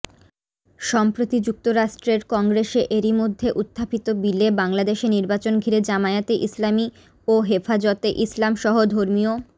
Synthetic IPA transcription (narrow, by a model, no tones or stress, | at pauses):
ʃɔmpɾot̪id͡ʑuk̚t̪oɾaʃʈɾeɾkɔŋɡɾeʃeʔeɾimod̪ʱːeʔut̪ʰːapit̪obilebaŋlad̪eʃeniɾbat͡ɕonɡʱiɾed͡ʑamaet̪eʔislami | oɦefad͡ʑot̪eʔislamʃɔɦod̪ʱoɾmio